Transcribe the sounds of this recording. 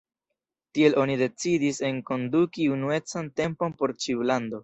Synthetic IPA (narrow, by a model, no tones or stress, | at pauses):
tie̞lʔo̞nide̞t͡sidise̞ŋko̞ndukiunue̞t͡sante̞mpo̞npo̞ɾt͡ʃiulando̞